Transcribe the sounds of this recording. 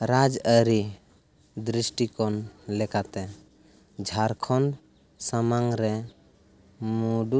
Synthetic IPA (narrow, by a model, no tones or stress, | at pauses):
ɾad͡ʒəɾi | d̪ɾisʈikɔnlɛkat̪ɛ | d͡ʒʱaɾkʰɔn | səmaŋɾɛ | muɖu